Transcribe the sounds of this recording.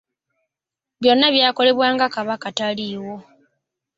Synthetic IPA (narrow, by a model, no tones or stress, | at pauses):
βjo̞nːaβjaːko̞le̞βwaːŋɡakaβakataliːwo̞